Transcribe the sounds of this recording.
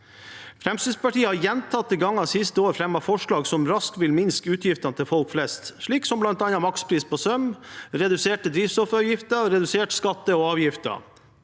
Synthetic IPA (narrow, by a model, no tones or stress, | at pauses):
fɾɛmsyːspɑʈiːəhɑɾjɛnt̪ʰɑt̪ːiɡɑŋːɑsɪst̪əoːɾfɾɛmɑfɔʂɭɑːɡsɔmɾɑskʋɪlmɪnskəʉːt̪ʰjɪft̪ɑnət̪ʰɪlfɔlkflɛst̪ʂɭiːksɔmblɑnt̪ɑnɑmɑkspʰɾiːspoːsœmɾɛd̪ʉseːʈəd̪ɾiːʋsɔfɾɑːʋjɪft̪əɾɛd̪ʉseːʈskɑt̪ːəɔɑːʋjɪft̪ɑ̰